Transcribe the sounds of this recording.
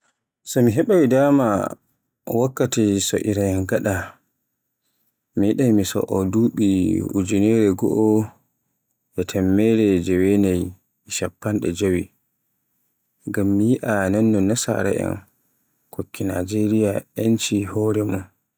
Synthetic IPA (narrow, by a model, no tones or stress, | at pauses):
sɔmiɦɛɓawidaːma | wakːatisɔ̰ʔiɾajɛnɡaɗa | miiɗajmisɔ̰ʔɔduːɓiṵd͡ʒunɛɾɛɡɔ̰ʔɔ | ʔɛtʰɛmːɛɾɛd͡ʒɛwenaj | iʃapːanɗɛ̰d͡ʒowi | ɡamːijiʔananːɔnasa̰ɾa̰ʔɛ̰n | kʰokʰːina̰d͡ʒeɾijaɛnt͡ʃihɔːɾɛmun